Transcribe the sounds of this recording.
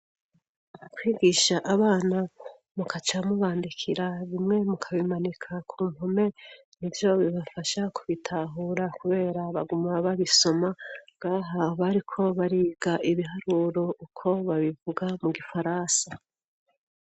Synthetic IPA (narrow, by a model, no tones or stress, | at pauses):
akwiːɡiʃaʔaβaːna | mukat͡ʃamuβaːndikʰiɾaβimŋe̞mukʰaβimanikʰakʰuːmhome̞ | nivjo̞βiβafaʃakuβitʰaɦuːɾakuβe̞ːɾaβaɡumaβaβiso̞maɡaːɦaβaɾikʰo̞βaɾiːɡaʔiβiɦaɾuɾo̞ukʰo̞βaβivuɡamuɡifaɾaːsa